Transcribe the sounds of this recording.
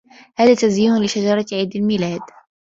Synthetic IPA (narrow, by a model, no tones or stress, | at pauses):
haːðaːt̪azjiːnʊlɪʃad͡ʒɑɾˤɑʕiːd̪almilaːd̪